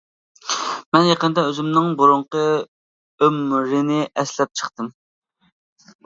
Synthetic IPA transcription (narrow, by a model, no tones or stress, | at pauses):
mɛnjɑqənd̪ɑøzymnɪŋbuɾuɴqə | ømɾɪnɪʔɛslɛp̚t͡ʃʰə̥χt̪ɨm